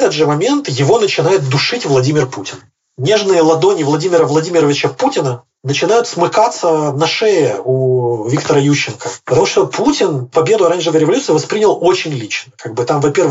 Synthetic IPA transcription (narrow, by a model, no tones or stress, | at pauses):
t̪əd̪ʐɨmɐmʲe̞nt̪jɪvo̞nət͡ɕɪnajɪt̪̚d̪ʊʂɨtʲvlˠɐdʲimʲɪrputʲɪn | nʲeʐnɨjəlˠɐd̪o̞nʲɪvlˠɐdʲimʲɪɾəvlˠɐdʲimʲɪɾəvʲɪt͡ɕəputʲɪnə | nət͡ɕɪnajʊt̪smɨkat̪sːənɐʂɛjɪuvʲikt̪əɾəjuɕːɪnkəpət̪ɐmuʂt̪o̞pʰutʲɪnpɐbʲe̞d̪ʊɐɾanʲʐɨvəjɾʲɪvɐlʲut̪sɨɪvɐspɾʲinʲɪlˠo̞t͡ɕɪnʲlʲit͡ɕnəkaɡ̚bɨt̪amvɐpʲe̞rv